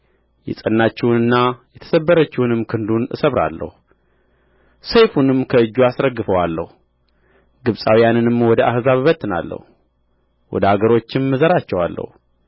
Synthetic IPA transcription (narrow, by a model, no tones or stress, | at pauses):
jɛ̰sʼənːat͡ʃːɛwnɨnːajɛt̪ʰə̥səbːəɾət͡ʃːɛwunɨmkʰɨnd̪unʔɨ̰səβɾa̰lːə̰hu | səjfunɨmkʰəɨd͡ʒːuasɾəɡːɨfəwalːə̰hu | ɡɨβsʼawijanɨnɨmwɔd̪əʔahzaβɨβət̪ʼːɨna̰lːə̰hu | wɔ̰d̪əhaɡəɾo̞t͡ʃːɪmːɨzəɾat͡ʃːɛwalːə̰hu